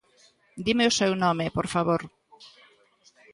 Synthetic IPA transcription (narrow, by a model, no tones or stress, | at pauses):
d̪imeosewnõmepoɾfaβoɾ